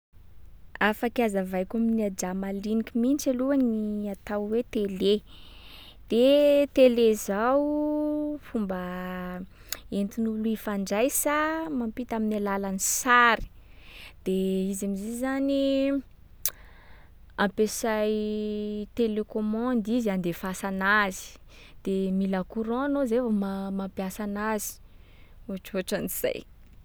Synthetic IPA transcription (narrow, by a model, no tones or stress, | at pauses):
afakazavajkaminad͡ʒamalinikʲimint͡ʃaluaniat̪awwet̪ele | d̪̥et̪elezaw | fumbə | ent̪inuluifaɳɖ͡ʐajsamampit̪aminalalanisaɾi̥ | d̪̥eizamizizzani | ãmpesaj | t̪elekomɔ̃nd̪izand̪efasanazi̥ | d̪̥emilakuɾɔ̃nozevamamampjasanazi̥ | oaʈ͡ʂoʈ͡ʂaniz̥a̰j